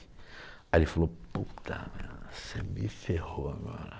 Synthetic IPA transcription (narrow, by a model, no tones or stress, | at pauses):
aelɪfaloput̪ʰɐ̰mḛ̃semɪfehoaɡɔ̰ɾɐ